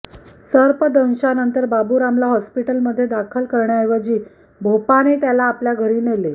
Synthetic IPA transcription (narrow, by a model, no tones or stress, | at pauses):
səɾpəd̪ə̃w̃ɕanənt̪əɾbabuːɾamlaɦɔspiʈəlməd̪ʱːjed̪akʰəlkəɾɳjajʋad͡ʑiː | bʱopanet̪jalaːpljaɡʱəɾiːnele